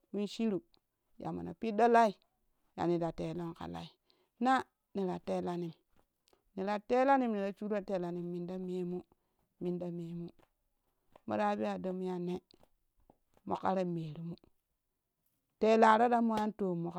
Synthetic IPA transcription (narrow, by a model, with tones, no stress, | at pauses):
wi˦nʃi˦ɾu˨ | ja̰˨mo̰˨na̰˨pi˦do˦la˦i˨ | ja̰˨ni˨da˨te˨lo˦nka̰˨la̰˨i˨ | na˦ | ni˨ɾa˨te˦la˨ni˨m | ni˨ɾa˨te˦la˦ni˦˨mni˨ɾa˨t͡ʃu˦ɾa˦te˨la˨ni˨mːi˨nda˦me˦mu˦ | mi˨nda˦me˨mu˦ | mo̰˨da˦bi˦a˨do˦m˦ja˨ne˦ | mo̰˨ka˦ɾe˦me˨ɾu˨mu˦ | te˨˦la˨ɾo˦da˦mo˦ja˦nto˨mːo˨k